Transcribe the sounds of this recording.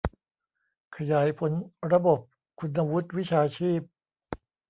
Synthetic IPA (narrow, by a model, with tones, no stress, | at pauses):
kʰa˧jaː˩˦jpʰo˩˦nɾa˧bo˨˩p̚ | kʰu˧nʔa˧wu˦˥t̪̚wi˦˥t͡ɕʰaː˧t͡ɕʰiː˥˩p̚